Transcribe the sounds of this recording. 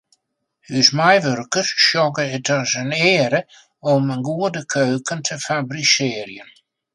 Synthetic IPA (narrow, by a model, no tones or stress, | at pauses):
hysmajʋørkərsʃjɔɡəətʰɔsənɪːəɾə | ɔmənɡuədəkʰøːkəntʰəfabrisɪːərjən